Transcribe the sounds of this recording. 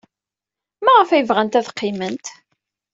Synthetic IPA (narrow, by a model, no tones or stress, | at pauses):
mæʁəfæjəvʁænt̪æθqːɪmənt̪